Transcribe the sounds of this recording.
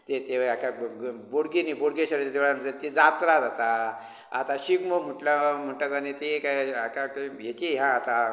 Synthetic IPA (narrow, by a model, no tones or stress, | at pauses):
t̪et̪eakaboɽɡiniːboɽɡeɕəɾt͡ɕad̪eʋɭaəd̪et̪ed͡zat̪ɾad͡zat̪a | a̰t̪aɕikmom̤əʈljam̤əɳʈakanit̪ekajakakajekiɦãːt̪a